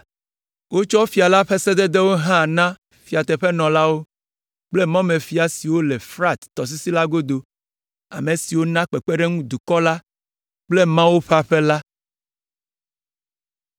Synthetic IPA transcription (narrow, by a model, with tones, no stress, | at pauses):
wo˦t͡ʃɔ˦fi˨a˨la˦ɸɛ˦sɛ˦d̪ɛ˦d̪e˦wo˦ɦã˦˨nã˦ | fi˨a˨t̪ɛ˨ɸɛ˦nɔ̃˨la˦wo˦ | k͡ple˦mã˦mẽ˨fi˦a˨si˨wo˦le˨fɾa˦t̪t̪ɔ˨s̬i˦si˦la˦ɡo˦d̪o˨ | a̰˨me˨si˨wo˦nã˦k͡pe˨k͡pe˦ɖe˦ŋũ˦d̪u˨kɔ˦la˦ | k͡ple˦mã˦wo˦ɸa˦ɸe˦la˦